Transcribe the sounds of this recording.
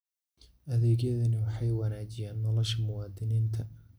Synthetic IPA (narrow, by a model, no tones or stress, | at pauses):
ʔɐðɛːɣjɐðɐnɪwɑħɑjwɑnaːt͡ʃɪjaːnːɔlɔʃɐmʊwɑːd̪ɪniːnt̪ʰɐ